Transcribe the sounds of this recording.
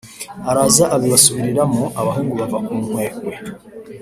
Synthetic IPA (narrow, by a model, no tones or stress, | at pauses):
aɾazaʔaβiβasuβiɾiɾamoʔaβaɦeŋɡuβavakuːm̥weːkwe